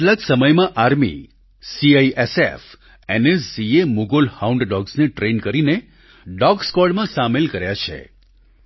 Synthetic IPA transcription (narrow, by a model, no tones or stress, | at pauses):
əʈlaksəməjmãʔaɾmḭ | siajʔesef | enessiemuɡolhauɳɖɖɔɡsneʈɾenkəɾine | ɖɔɡskɔɽmãsamelkəɾjat͡ʃʰḛ